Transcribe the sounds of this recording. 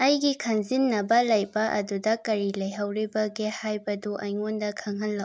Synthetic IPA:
ɐjɡikʰɐŋzinːɐbɐlɐjbɐʔɐ̰dudɐkɐɾilɐjɦɐwɾibɐɡehajbɐduʔɐjŋondɐkʰɐŋɦɐlːɐw

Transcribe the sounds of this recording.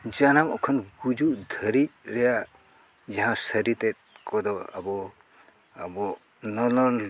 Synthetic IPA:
d͡ʒanamɔkʰɔnɡud͡ʒud̪ʱəɾit̚ɾɛja | d͡ʒaɦãsəɾit̪ɛt̪̚kɔd̪ɔa̰bɔ | abɔ | nɔlɔl

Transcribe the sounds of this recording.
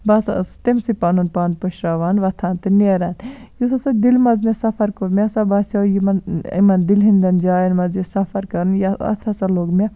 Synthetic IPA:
basa̰st̪emsipaːnunpaːnpɐʃɾaːʋaːnʋɐt̪ʰãːnt̪ɨnɐɾaːnjusɐsɐd̪ilmɐzmesɐfʰɐɾkuɾmʲesabaːsajimɐnḭmɐnd̪ilɦind̪ɐnd͡ʒaːjɐnmɐzjisɐfʰɐɾkɐɾnjaɐ̰t̪ʰɐsɐloːɡmʲe

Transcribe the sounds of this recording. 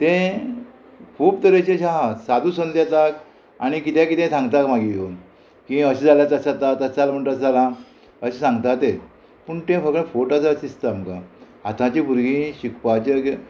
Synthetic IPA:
t̪ẽ | kʰuːpt̪əɾet͡ɕẽɕaɦasad̪ũːsənd̪jat̪ak | a̰ɽ̃ikit̪jãkit̪ẽsãŋɡt̪akm̤aɡijon | kĩəɕed͡zʱaljat͡sasat̪at̪ət͡salam̤əɳʈ̪əd͡zalã | əɕesãŋɡt̪at̪e | pəɳt̪ẽfəkə̃foʈat͡sasist̪amkaɦat̪ãt͡ɕibuɾɡĩɕikpat͡ɕək

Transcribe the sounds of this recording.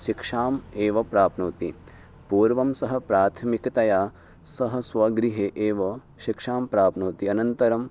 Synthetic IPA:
ʃikʂaːmeːʋɐpɾaːpnuːt̪i | puːɾʋɐmsɐɦɐ̆pɾaːt̪ʰɐmikɐt̪ɐjaː | sɐɦɐ̆sʋɐɡɾiɦeːʔeːʋɐ | ʃikʂaːmpɾaːpnuːt̪iɐnɐnt̪ɐɾɐm

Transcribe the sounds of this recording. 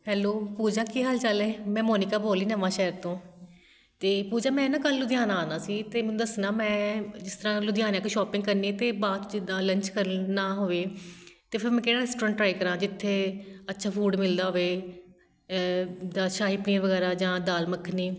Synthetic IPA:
ɦɛːloːpuːd͡ʒãːkiːɦəlt͡ʃalɛ̃ːmɛ̃ːmoːnɪkaːboːliːnəʋãːʃɛːəɾt̪õː | t̪eːpuːd͡ʒãːmɛ̃ːnãːkəlːʊd̪ɪjaːnãːnãːsiːt̪eːmɛ̃ũːd̪əsnãːmɛ̃ːd͡ʒɪst̪əɾãːlʊd̪ɪjaːnãːkeʃɔːpɪ̃ŋɡkəɾniːt̪eːbaːt̪d͡ʒɪd̪ãːləɲt͡ʃkəɾnaːɦoːʋeːt̪eːpʰɪɾmɛ̃ːkeːɽaːɾɛːsʈoːɾə̃ːɳʈɾaːiːkəɾãːd͡ʒɪt̪ʰːeːətːʃʰaːpʰuːɖmɪld̪aːɦoʋeː | d̪aːʃaːɦipniːãːʋəɡɛːɾaːd͡ʒãːd̪aːlməkʰːniː

